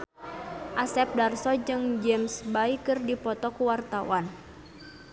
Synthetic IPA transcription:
ʔasɛp̚darsɔd͡ʒɨŋd͡ʒɛmsbaikɨrdipɔt̪ɔkuwart̪awan

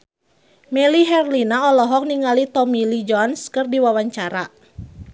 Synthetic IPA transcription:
mɛliɦɛrlinaɔlɔɦɔk̚niŋalit̪ɔmilid͡ʒɔnskərdiwawaɲt͡ʃaɾa

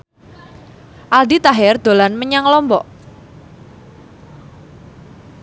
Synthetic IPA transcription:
ʔald̪it̪aɦɛrd̪̥o̤lanməɲaŋlɔmbɔʔ

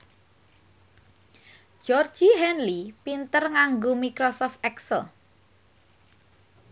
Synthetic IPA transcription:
ʒ̥ɔr̥ʒ̥iɦɛnlipint̪ərŋaŋɡomikɾɔsɔft̪ɛksəl

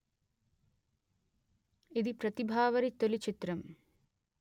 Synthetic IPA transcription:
id̪ipɾɐt̪ibʱaːʋɐɾit̪olit͡ʃit̪ɾɐm

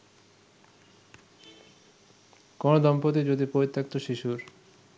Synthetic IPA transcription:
kɔnod̪ɔmpot̪̬id͡ʑod̪ipoit̪ʰːak̚t̪oʃiʃuɾ

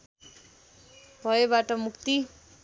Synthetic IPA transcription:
bʱʌebaʈʌmukt̪i

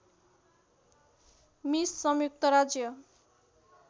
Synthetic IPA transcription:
misːʌmjuk̚t̪ʌɾad͡zjʌ

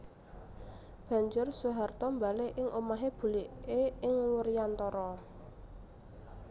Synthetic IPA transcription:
b̥a̤ɲd͡ʒʊrsuɦart̪ɔmbaleʔɪŋʔomaɦeb̥ṳliʔeɪŋwərijant̪ɔɾɔ

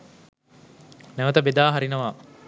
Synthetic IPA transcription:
nɛʋət̪əbed̪aːɦaɾinəʋaː

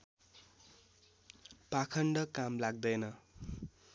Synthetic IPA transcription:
pakʰʌɳɖʌkamlaɡ̚d̪ʌjnʌ

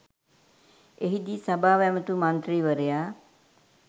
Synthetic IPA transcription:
eɦid̪iːsabaːʋɛmət̪umant̪ɾiːʋəɾejaː

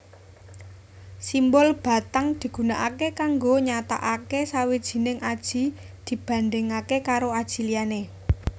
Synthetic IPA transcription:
simbɔlb̥a̤t̪aŋd̪̥i̤ɡ̥ṳnaʔakekaŋɡoɲat̪a̰ʔakesawid̥ʒ̥i̤nɪŋʔad̥ʒ̥i̤ | d̪̥i̤b̥ä̤nd̪ɪŋakekaɾoad̥ʒ̥i̤liane

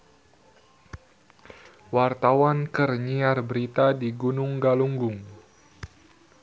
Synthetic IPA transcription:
wart̪awankərɲiarbəɾit̪adiɡunʊŋɡaluŋɡʊŋ

